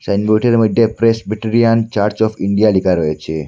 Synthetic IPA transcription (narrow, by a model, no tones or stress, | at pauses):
sanboʈeɾemod̪ːepɾesbiʈiɾiant͡ʃaɾt͡ʃɔfiɳɖijalikaɾɔjet͡ʃʰe